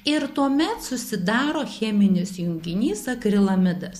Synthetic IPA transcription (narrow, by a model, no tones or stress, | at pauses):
ɪɾt̪uɔmʲɛt̪sʊsʲɪd̪ɑːɾoːxʲɛːmʲɪnʲɪsjʊŋʲɡʲɪnʲiːsɐkɾʲɪlˠɐmʲɪd̪ɐs